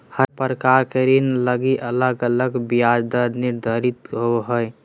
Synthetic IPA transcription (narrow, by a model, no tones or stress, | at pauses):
həpəɾəkaɾkeɾinləɡiʔələɡələɡbijad͡ʒd̪əɾniɾd̪ʱəɾit̪ɦoɦəj